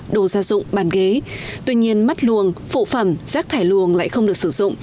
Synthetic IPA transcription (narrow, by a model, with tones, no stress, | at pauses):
ɗo˨˩zaː˧zʊ̰˧˨ŋ͡mɓaː˨˩nɣe˨˦t̪wi˧ɲi˧ənma˦˥t̚lu˨˩əŋfṵ˧˨fə˧˩mz̥aː˦˥k̚t̪ʰaː˧˩jlu˨˩əŋla̰ː˧˨jxə˧wŋ͡mɗɨ˨˩k̚sɨ˧˩zʊ̰˧˨ŋ͡m